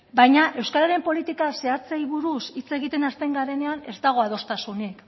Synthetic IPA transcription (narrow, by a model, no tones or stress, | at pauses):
bajɲaʔe̞wskaɾaɾe̞mpo̞lit̪ikase̞at͡sejβuɾusit͡se̞ɣit̪e̞naspe̞ŋɡaɾe̞ne̞ane̞zd̪aɣ̞o̞aðo̞st̪asunik